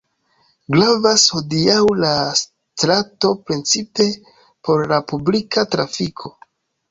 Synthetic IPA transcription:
ɡlavasho̞diawlas | tɾato̞pɾent͡sipe̞ | po̞ɾlapublikatɾafikʰo̞

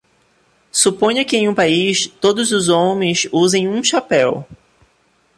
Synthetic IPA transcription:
supõɲɐkɪẽj̃ũpaist̪od̪ʊzʊzõmẽj̃suzẽj̃ũʃapɛw

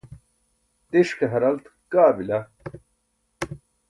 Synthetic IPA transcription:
t̪iʃkɐɦɐɾɐlt̪ | kaːbilɐ

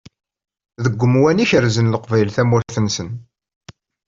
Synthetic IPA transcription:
ðəɡʷːəmwæniçəɾzənləqvæjlθæmwæçθənsən

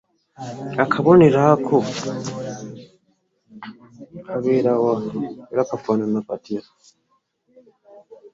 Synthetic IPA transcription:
akʰaβoneɾakʰo | aβeɾawaeɾakafananapatiɾḁ

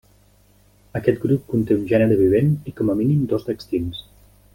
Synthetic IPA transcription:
əkɛt̪ɡɾup̚kunt̪eunʒɛnəɾəβiβ̞enikɔməminimd̪ozd̪əkst̪ins

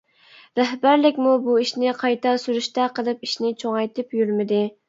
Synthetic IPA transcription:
ɾæɦbæɾlɪkʲmubuiʃnɪqʰɑjt̪ʰɑsyɾyʃt̪ɛqʰəlˠɨpiʃnɪt͡ʃʰoŋɑjt̪ʰɨpjyɾmɪd̪ɪ

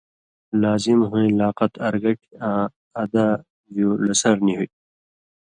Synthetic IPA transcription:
laːzimɦuĩlaːqɐt̪ɐɾɡɐʈʰiãː | d̪a | julɐsɐɾniɦui

